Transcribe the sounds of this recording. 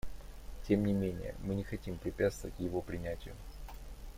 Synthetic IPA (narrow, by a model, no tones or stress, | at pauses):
tʲe̞mnʲɪmʲenʲɪ̰jə̰mɨnʲɪxɐtʲimpɾʲɪpʲat̪st̪vəvətʲjɪvo̞pɾʲɪnʲætʲɪjʊ